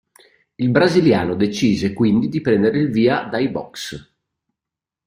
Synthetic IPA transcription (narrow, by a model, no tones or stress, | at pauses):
ilbɾazilja̰ːnod̪et͡ʃiːzekwind̪id̪ipɾɛnd̪eɾeilviːad̪ajbɔ̰ks